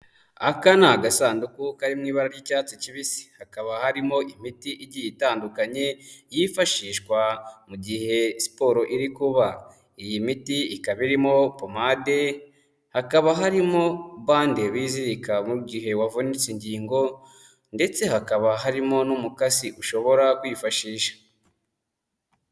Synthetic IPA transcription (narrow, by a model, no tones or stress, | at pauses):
akanaɡasaːndukukaɾimŋiːβaɾaɾɟicaːt͡siciβisi̥hakaβahaɾimo̞ʔimitiʔiɾɟijitaːndukaɲe̞jifaʃiːʃkwamuɟihe̞si̥po̞ːɾo̞ʔiɾikuβa | ijimitiikaβiɾimo̞pomade̞ | hakaβaɦaɾimo̞βaːndeβiziɾikamuɡiɦe̞wavonit͡siɲɟiːŋɡo̞ | nde̞t͡se̞hakaβaɦaɾimo̞numukasiʔuʃo̞βo̞ɾakwifaʃiːʃḁ